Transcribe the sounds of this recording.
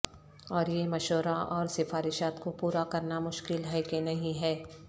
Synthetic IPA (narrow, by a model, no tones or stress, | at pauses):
ɔːɾjemɐʃoːɾaʔɔːɾsɪfaːɾɪʃaːt̪kopuːɾakɐɾnamʊʃkɪlɦɛkenɐɦĩɦɛː